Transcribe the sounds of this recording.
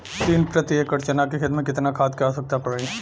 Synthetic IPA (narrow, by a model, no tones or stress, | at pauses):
t̪iːnpɾɐt̪iekːɐɾt͡ʃənakexɪd̪mẽkɪt̪nakʰaːt̪̚kasɐk̚t̪apɐɽeː